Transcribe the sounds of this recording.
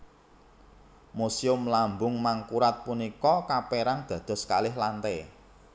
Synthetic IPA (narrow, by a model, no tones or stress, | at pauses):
musiʊmlambʊŋmaŋkuɾat̪̚punikɔkapɛɾaŋd̪̥a̤d̪̥ɔ̤skalɪhlant̪ɛ